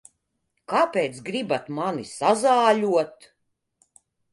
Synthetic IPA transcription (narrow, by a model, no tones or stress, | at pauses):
kapeːt̪sɡɾibat̪manisazaːʎʲuɔt̪